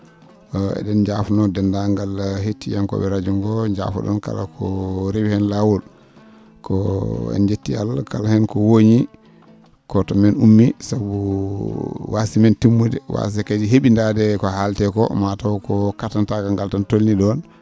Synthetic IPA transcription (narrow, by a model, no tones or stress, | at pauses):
ɛ̰ɗɛnd͡ʒafnɔdɛndaŋɡalhetːijankɔ̰bɛɾad͡ʒuŋɡɔd͡ʒa̰fṵɗɔ̰nka̰lakʰɔɾibhɛnlawul | kɔɛ̰nd͡ʒetːia̰lkalhɛnkɔwoɲi | kɔtɔmɛnumːisabu | wasimɛntimːudɛ̰wa̰s̬ɛkad͡ʒiɦeɓindadɛkɔhaltɛkɔmatawkɔkatantakaŋɡaltantolniɗɔn